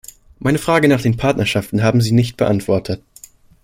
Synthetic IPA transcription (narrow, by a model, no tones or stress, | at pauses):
maɪnəfʁ̥aːɡənaːχd̥eːnpʰaɐtnɐʃaftn̩ɦaːbm̩ziːnɪçt̚b̥əʔantv̥ɔɐtʰət